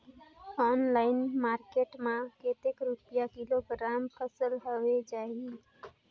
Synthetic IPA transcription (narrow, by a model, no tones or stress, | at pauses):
ɔːnlaːɪnmaːɾkeːʈmãkeːt̪ekɾupjakɪloɡɾaːmkəsəlɦoed͡ʒaːe